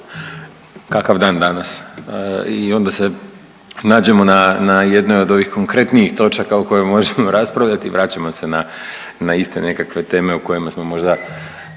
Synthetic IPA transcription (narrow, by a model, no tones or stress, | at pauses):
kakaʋd̪aːnd̪anas | io̞nd̪ase̞ | naːd͡ʑe̞mo̞nanaje̞d̪no̞jo̞d̪o̞ʋixko̞ŋkɾe̞t̪niixt̪o̞t͡ʃakauko̞jomo̞ʒemo̞ɾaspɾaʋʎat̪iʋɾaːt͡ɕamo̞se̞na | naist̪e̞ne̞kakʋe̞t̪e̞ːme̞uko̞jimasmo̞mo̞ʒd̪a